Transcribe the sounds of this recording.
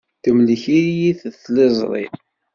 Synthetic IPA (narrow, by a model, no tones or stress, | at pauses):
θəmliçijiθθlezˤɾˤḭ